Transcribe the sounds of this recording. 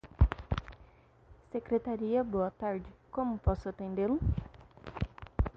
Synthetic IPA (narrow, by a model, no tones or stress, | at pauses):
sekɾet̪aɾiɐboɐt̪aɾd͡ʒɪkõmʊpɔsʊat̪ẽnd̪elʊ